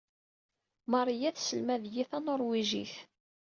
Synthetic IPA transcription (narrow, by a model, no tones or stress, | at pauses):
mɑrˤijæθsəlmæðjiθænoɾˤwiʒḭθ